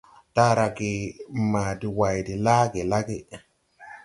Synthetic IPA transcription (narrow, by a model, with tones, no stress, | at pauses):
ta˦ɾa˧ɡe˨ma˨di˨wa˨jdi˨la˦ɡe˨la˦ɡe˦